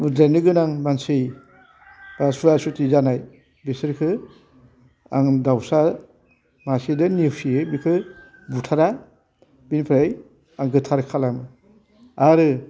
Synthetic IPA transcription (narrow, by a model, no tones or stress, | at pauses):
danɯɡɯnaŋmansɯj | b̥asuɾasutizanaj | besɯɾkʰɯ | a̰ŋdawsaɾ | masidɯniwsiebikʰɯ | butʰaɾa | binpʰɾaj | aŋɡɯtʰaɾkʰalamɯ | aɾɯ